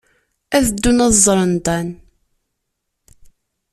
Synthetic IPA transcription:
æðəd̪ːunɑðzˤːɾˤənd̪æn

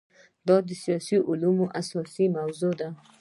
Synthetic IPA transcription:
d̪ɑd̪əsijɑsiʔʊlumoʔasɔsimawzod̪a

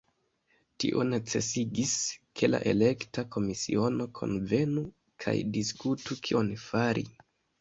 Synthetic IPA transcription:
tḭʔo̞net͡se̞siɡiskʰe̞la̰ʔe̞le̞ktakʰo̞misio̞no̞kʰo̞̰nve̞nu | kʰa̰jdiskutukʰio̞nfaɾʔḭ

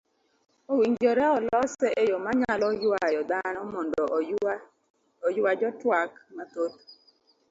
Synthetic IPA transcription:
owiŋd͡ʒoɾɛɔlɔsɛʔejomaɲalɔjwajɔd̪anɔmɔndɔ | ɔjad͡ʒɔtwakmat̪ot̪

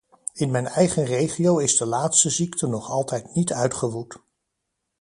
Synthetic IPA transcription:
ɪnmɛjnɛjχənrejχiowɪzdəlaːtstəziktʰənɔχɑlˠtɛjtnitœɥtχəʋut

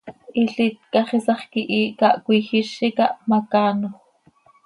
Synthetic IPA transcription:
ʔiɬit̪̚kɑχisɑχkiʔiːkɑʔkʷixiʃikɑʔmɑkɑːnoχ

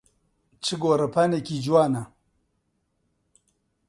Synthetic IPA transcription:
t͡ʃiɡoɾapanekʲid͡ʒuwana

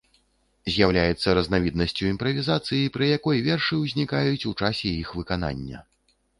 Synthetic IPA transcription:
zʲjawlʲajɛt̪sːɐɾɐznavʲid̪̚nɐsʲt͡sʲuimpɾɐvʲizat̪sɨjipɾɨjakɔjvʲɛrʂɨwzʲnʲikajut͡sʲut͡ʂasʲɛjixvɨkana̰nʲːɐ̰

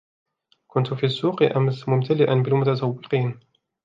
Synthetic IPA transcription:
kʊnt̪ʊfiːasːuːqʔamsmʊmt̪ʰalɪʔanbɪlmʊt̪at̪awːɪqiːn

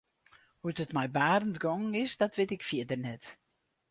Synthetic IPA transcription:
hutətmɛjbaːrəntɡɔŋɪsdɔtʋɪtɪkfjɪədərnɛt

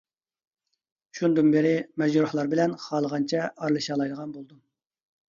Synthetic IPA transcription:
ʃund̪ɨnbɪɾɪmɛd͡ʒɾuhlˠɑɾbɪlɛnχɑːlˠəʁɑnt͡ʃʰɛɑɾlˠɨʃɑːlˠɑjd̪əʁɑnbolˠd̪um

